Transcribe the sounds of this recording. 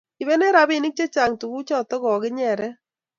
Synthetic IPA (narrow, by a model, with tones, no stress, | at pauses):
ɪ˨βɛ˦nɛ˦ɾa˨˦bi˨nɪ˦k̚t͡ʃe˦t͡ʃa˨ŋtu˨ku˦t͡ʃɔ˦˨tɔ˦kɔ˨kɪ˦ɲɛ˨ɾɛ˦